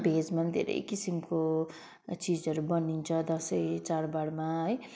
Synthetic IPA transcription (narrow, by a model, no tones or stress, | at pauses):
bʱed͡zmad̪ʱḛɾḛjkisimko | t͡sid͡zʌɾubʌnint͡sʰʌd̪ʌsʌjt͡saɾbaɽmaɦʌj